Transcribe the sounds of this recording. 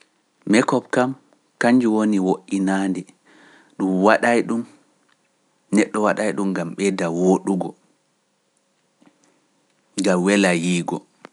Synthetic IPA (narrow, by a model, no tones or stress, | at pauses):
mɛkɔbkam | kaɲd͡ʒuwoniwoʔːinaːndɛ | ɗumwaɗajɗun | nɛɗːɔwaɗajɗumɡamɓɛdawoɗuɡɔ | ɡamwɛlajiːɡɔ